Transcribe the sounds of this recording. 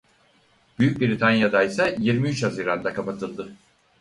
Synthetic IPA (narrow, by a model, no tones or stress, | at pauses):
b̥yjyc̚biɾit̪ʰanjad̪ajsajiɾmiyt͡ʃhaziːɾand̪akʰapat̪ʰɯlˠd̪ɯ